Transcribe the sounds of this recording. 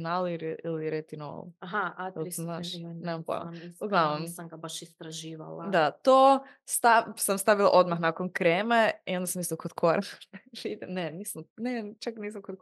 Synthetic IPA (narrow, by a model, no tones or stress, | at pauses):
naliiliɾet̪ino̰laɦaalznaːʒʃnemampla̰uɡlˠaʋnomsamɡabaʃist̪ɾaʒiːʋa̰lˠa̰d̪at̪o | st̪asamst̪aʋilˠa̰ʔo̞d̪maxnakonkɾemeio̞nd̪asamist̪okod̪kʰoɾa̰id̪eneniːsamnet͡ʃakniːsamkod̪